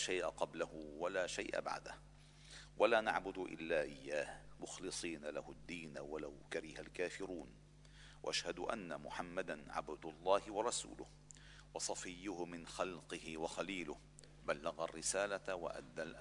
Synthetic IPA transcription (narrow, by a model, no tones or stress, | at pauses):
ʃajʔaqɑblahʊwalaːʃajʔa̰ba̰ʕd̪a̰h | wʔalaːnaʕbʊd̪ʊʔɪ̰lːaːʔɪjːaːhmʊxlɨsˤiːnala̰hʊd̪ːiːnwalawkaɾɪhalkaːfɪɾuːn | wa̰ʔaʃhad̪ʊʔa̰nːamʊħamːad̪anʕa̰bd̪lˤːɑːhɪwɑɾˤɑsṵːlʊh | wɑsˤɑfɪjːʊhʊmɪnxɑlqɨhɪwɑxaliːlʊh | balːaɣarːɪsaːlawa̰ʔa̰d̪ːalʔ